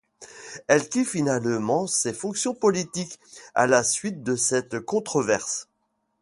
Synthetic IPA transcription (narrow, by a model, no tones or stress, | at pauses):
ɛlkʲifinalmɑ̃sefɔ̃ksjɔ̃pɔlit̪ika̰lasɥit̪̚d̪əsɛt̪kɔ̃t̪χɔvɛʁs